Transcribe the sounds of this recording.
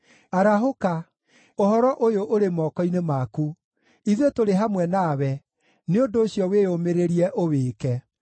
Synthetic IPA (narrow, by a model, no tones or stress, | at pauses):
aɾaɦoka | ohɔɾɔʔojoʔoɾemɔːkɔinemaku | iðwetoɾeɦamwɛnaːwɛ | neondoːɕjɔwejomeɾeɾiɛʔoweːkɛ